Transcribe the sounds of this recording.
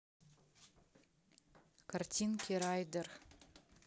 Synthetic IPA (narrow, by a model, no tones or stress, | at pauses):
kʰartʲʰinkʲʰeɾɑjd̪ɨr